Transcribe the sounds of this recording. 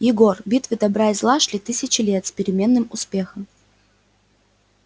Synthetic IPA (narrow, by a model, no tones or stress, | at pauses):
jɪɡo̞rbʲit̪vʲɨd̪ɐbɾajzlˠaʂlʲit̪ɨsʲɪt͡ɕɪlʲet̪spʲɪɾʲɪmʲe̞nːɨmʊspʲe̞xəm